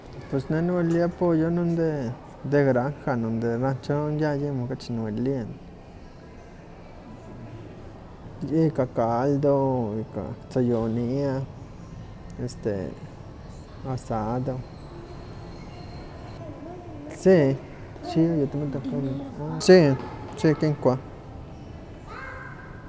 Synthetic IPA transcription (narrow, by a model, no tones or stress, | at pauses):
pwesnenueljapojonond̪e | d̪eɡɾaŋxanond̪eɾant͡ʃoŋjajimokat͡ʃinueljen | jikakald̪oika̰t͡sajonia | est̪ḛ | asad̪o | si | t͡ʃijot̪mid̪oxanot͡ʃit͡ʃikiŋkʷa